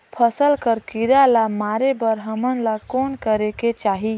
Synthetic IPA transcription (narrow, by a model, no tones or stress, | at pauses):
pʰəsəlkəɾkiɾalamaɾebəɾɦəmənlakoːnkəɾeket͡ʃaːɦi